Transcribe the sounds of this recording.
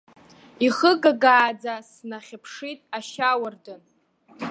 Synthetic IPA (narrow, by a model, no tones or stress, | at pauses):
iχəɡaɡaːd͡zasnaχʲapʰʂitʼaʃawardɨn